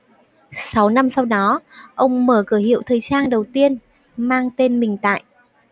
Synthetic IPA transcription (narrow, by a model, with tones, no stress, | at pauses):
sa˨˦wna˧msa˧wɗɔ˨˦ʔə˧wŋ͡mməː˧˩kɨ˧˩ɦḭ˧˨əwt̪ʰəː˨˩jt͡ɕaː˧nɗə˨˩wt̪i˧ən | maː˧ŋt̪e˧nmï˨˩ŋ̟t̪a̰ː˧˨jʔ